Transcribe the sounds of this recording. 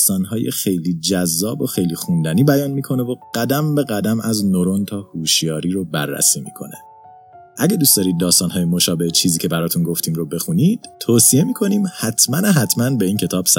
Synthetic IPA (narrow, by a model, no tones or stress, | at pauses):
st̪ɒːnɦɒːjexejliːd͡ʒæzːɒːboxejliːxund̪æniːbæjɒːnmiːkʰo̞nevoɢ̥æd̪æmbe̞ɣæd̪æmæznoɾo̞nt̪ʰɒːhuːʃjɒːɾiːɾobæ̰rːæ̰siːmḭːkʰo̞̰ne | ʔæɟed̪uːst̪d̪ɒːɾiːd̪̚ːɒːst̪ɒːnɦɒːjemo̞ʃɒːbe̞het͡ʃʰiːziːcʰe̞bæɾɒːt̪ʰunɡoft̪ʰiːmɾobe̞xuniːd̪̥t̪ʰːoːsie̞miːkʰo̞niːmhæt̪ʰmæneɦæt̪ʰmænbe̞iːncʰe̞t̪ʰɒːb̥sæ